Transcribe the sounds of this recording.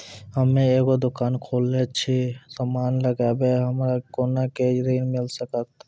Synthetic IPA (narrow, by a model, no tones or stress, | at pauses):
həmeeːɡod̪ʊkaːnkʰolːet͡ʃʰisəmaːnləɡaːbeɦəmɾakonaked͡ʒɾiːnmɪlsəkətt̪